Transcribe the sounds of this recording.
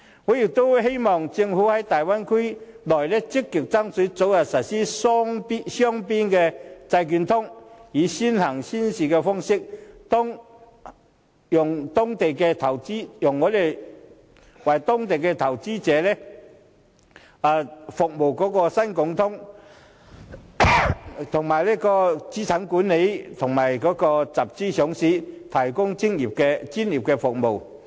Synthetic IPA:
ŋɔː˨˧jɪ˨˩k̚t̪o˥wɦe˥jmɔː˨ŋt͡sɪ˧ŋfuː˨˥hɐ˨˥jt̪aː˨jwa˥nkʰʊ˥jlɔː˨˩jlɛː˥t͡sɪ˥kːɪ˨˩k̚t͡sɐ˥ŋsɵ˨˥t͡so˨˥wjɐ˨˩tsɐ˨˩t̚siː˥sɔ˥ŋpi˥sœː˥ŋpiː˥nkɛː˧t͡sɐ˧jky˨˧nt̪ʰʊ˥ŋjiː˨˧siː˥nhɐ˨˩ŋsiː˥nsiː˨kɛː˧fɔ˥ŋsɪ˥k̚t̪ɔ˥ŋ | jʊ˨˩ŋt̪ʊ˥ŋt̪e˨jkɛː˧t̪ʰɐ˨˩wt͡siː˥jʊ˨˩ŋːɔː˨˧d̪e˨˩j | wɐ˨˩jt̪ɔ˥ŋt̪e˨jkɛː˧t̪ʰɐ˨˩wt͡siː˥t͡sɛː˨˥lɛː˥ | aː˨˧fʊ˨k̚mo˨˩wkɔː˨˥kɔː˧sɐ˥nkʊ˨˥ŋt̪ʰʊ˨˥ŋ | t̪ʰʊ˨˩ŋmaː˨˩jlɛː˥kɔː˧t͡siː˨˥tʰɐ˨˥nkuː˨˥nːe˨˧˥jt̪ʰʊ˨˩ŋmaː˨˩jkɔː˨˥kɔː˧t͡sɐ˨p̚t͡siː˥sʊ˨˥ŋsiː˨˥t̪ʰɐ˨˩jkʊ˥ŋt͡sɪ˥ŋjiː˨˩p̚kɛ˧t͡siː˥njiː˨˩p̚kɛ˧fʊ˨k̚mo˨˩w

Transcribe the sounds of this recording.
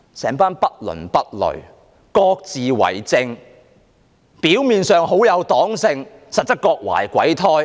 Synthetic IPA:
sɛː˨˥ŋpaː˥npɐ˥t̚lɵ̰˨˩npɐ˥t̚lɵ̰˨˩ɥ | kɔː˧k̚t͡siː˨wɐ̰˨˩jt͡sɪ˧ŋ | piː˨˥wmiː˨˧nsœː˨˧ŋɦo˨˥wjɐ˨˧wt̪ɔː˨˥ŋsɪ˧ŋsɐ˨t̚t͡sɐ˥kɔː˧k̚wa̰ː˨˩jkʷɐ̰˨˥jt̪ʰɔː˥j

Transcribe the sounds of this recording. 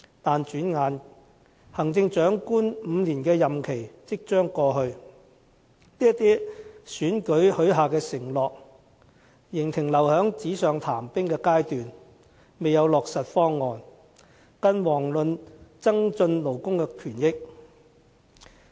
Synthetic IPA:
t̪aː˨nt͡ʃyː˨˥nŋaː˨˧n | hɐ˨˩ŋt͡sɪ˧ŋt͡ʃœː˨˥ŋkuː˥nm̩ː˨˧liː˨˩nkɛː˧jɐ˨mkʰe˨˩jt͡sɪ˥k̚t͡ʃœː˥ŋkɔː˧ɦɵ˧ɥ | liː˥jɐ˥t̪ːiː˥syː˨˥nkɵ˨˥ɥhɵ˨˧˥ɥɦaː˨kɛː˧sɪ˨˩ŋlɔː˨k̚ | jɪ˨˩ŋt̪ʰɪ˨˩ŋlɐ˨˩whœː˨˥ŋt͡siː˨˥sœː˨ŋt̪ʰaː˨˩mpɪ˥ŋkɛː˧kaː˥jt̪yː˨n | me˨jɐ˨˧wlɔː˨k̚sɐ˨t̚fɔː˥ŋːɔː˨n | kɐ˧nwɔː˨˩ŋlɵ˨˧nt͡sɐ˥ŋt͡sɵ˧nlo˨˩wkʊ˥ŋkɛː˧kʰyː˨˩njɪ˥k̚

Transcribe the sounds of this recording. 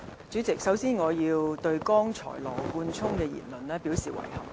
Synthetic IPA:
t͡syː˨˥t͡sɪ˨k̚sɐ˨˥wsiː˥nŋɔː˨˧jiː˧wt̪ɵ˧ɥkɔː˥ŋt͡ʃʰɔ̰ː˨˩jlɔː˨˩kuː˧nt͡sʰʊ˥ŋkɛː˧jḭː˨˩nlɵ˨˩nlɛː˥pi˨˥wsiː˨wɐ̰˨˩jhɐ̰˨˩m

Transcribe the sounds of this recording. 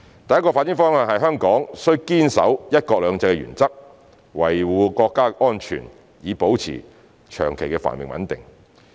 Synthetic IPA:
t̪ɐ˨jɐ˥kɔː˧faː˧t̚ːi˨˥ŋfɔː˥ŋhɐ˨nhɐ˨jɦœː˥ŋkɔː˨˥ŋsɵ˥ɥkiː˥nsɐ̰˨˥wjɐ˥t̚kɔː˧k̚lœː˨˧ŋt͡sɛ˧kɛ˧jy̰ː˨˩nt͡sɐ˥k̚ | wɐ˨˩jwuː˨˧kɔː˧kːaː˥ʔɔː˥nt͡ʃʰy̰ː˨˩n | jiː˨˧po˨˥wt͡sʰḭː˨˩ | t͡ʃʰœ̰ː˨˩ŋkʰe˨˩jkɛ˧fa̰ː˨˩nmɪ̰˨ŋwɐ̰˨˥nt̪ɪ̰˨˩ŋ

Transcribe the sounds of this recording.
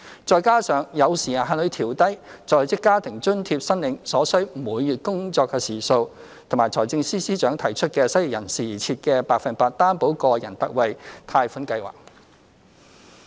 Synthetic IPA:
t͡sɔː˨˧jkaː˥sœː˨ŋjɐ˨˧wsiː˨˩ja˨ɦaː˧˨nlɵ˨˧ɥt̪ʰiː˨˩wt̪ɐ˥jt͡sɔː˨˩t͡sɪ˥kːaː˥t̪ʰɪ˨˩ŋt͡ʃɵ˥nt̪ʰiː˧p̚sɐ˥nlɪ˨˧ŋsɔː˨˥sɵ˥ɥm̩˨uː˨˧jjyː˨t̚kʊ˥ŋt͡sɔː˧kːɛ˧siː˨˩so˧w | t̪ʰʊ˨˩maː˨˩t͡sʰɔː˨˩jt͡sɪ˧ŋsiː˥siː˥t͡ʃœː˨˥ŋt̪ʰɐ˨˩jt͡ʃʰɵ˥t̚kɛː˧sɐ˥ji˨jɐ˨˩nsiː˨˩t͡sʰiː˧t̚kɛː˧paː˧k̚fɐ˨npaː˧t̚t̪aː˥npo˨˥wkɔː˧jɐ˨˩nt̪ɐ˥k̚wɐ˨˧jt̪ʰaː˧jfuː˨˥nkɐ˧jwa̰ː˨˩k̚

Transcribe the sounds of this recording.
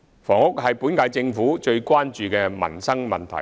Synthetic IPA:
fɔː˨˩ŋʊ˥k̚ɦɐ˨jpuː˨˥nkaː˧jt͡sɪ˧ŋfuː˨˥t͡ʃɵ˧ɥkʷwaː˥nt͡ʃyː˨kɛː˧mɐ̰˨˩nsɐ˥ŋmɐ˨nt̪ʰɐ̰˨˩

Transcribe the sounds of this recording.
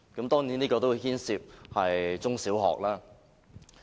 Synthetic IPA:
kɐ˨˥mt̪ɔː˥ŋniː˨˥niː˥kɔː˧t̪o˥wu˨˧hiː˥nsiː˧p̚hɐ˨jt͡sʊ˥ŋsiː˨˥wɦɔ̰ː˨k̚laː˥

